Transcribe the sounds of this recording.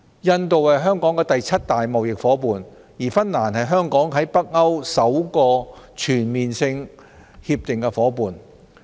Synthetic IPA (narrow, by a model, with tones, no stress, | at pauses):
jɐ˧nt̪o˨whɐ˨jɦœː˥ŋkɔː˨˥ŋkɛː˧t̪ɐ˨jt͡sʰɐ˥t̚t̪aː˨jmɐ˨wjɪ˨k̚fɔː˨˥puː˨n | jiː˨˩fɐ˥nːaː˨˩nhɐ˨jɦœː˥ŋkɔː˨˥ŋɦɐ˨˥jpɐ˥k̚ŋɐ˥wsɐ˨˥wkɔː˧t͡ʃʰyː˨˩nmiː˨nsɪ˧ŋ | hiː˧p̚t̪ɪ˨ŋkɛ˧fɔː˨˥puː˨n